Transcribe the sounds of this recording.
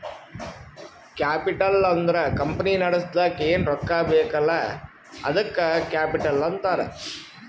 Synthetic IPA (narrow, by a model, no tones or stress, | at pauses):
kaːpɪʈːɐllɐɐnd̪ɾɐkɐmpɐninɐɽɐst̪akeːnɾɔkːaːbeɐkːɐlːɐ | ɐ̰ðɯkːɐkaːpɪʈːɐlːɐnt̪aːɾɐ̰